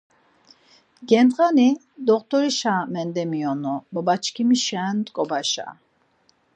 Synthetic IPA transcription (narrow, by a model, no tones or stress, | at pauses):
ɡɛnd̪ʁani | d̪ɔqt̪ʰʼɔɾiʃamɛnd̪ɛmiɔnɔbɔbat͡ʃʰkʰimiʃɛnt̪ʼkʼɔbaʃa̰